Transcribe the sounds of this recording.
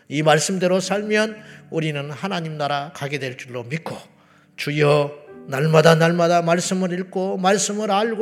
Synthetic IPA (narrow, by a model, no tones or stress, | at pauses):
imaɭs͈ɯmde̞ɾosʰaɭmjʌnuɾinɯnhanaɲimnaɾakaɡe̞dwe̞ɭt͡ɕ͈uɭːomik͈ʰo | t͡ɕujʌnaɭmadanaɭmadamaɭs͈ɯmɯɾiɭk͈omaɭs͈ɯmɯɾaɭɡo